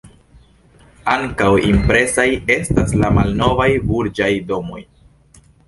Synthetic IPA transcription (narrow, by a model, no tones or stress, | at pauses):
aŋkawimpɾe̞saje̞staslamalno̞vajbuɾd͡ʒajdo̞mo̞j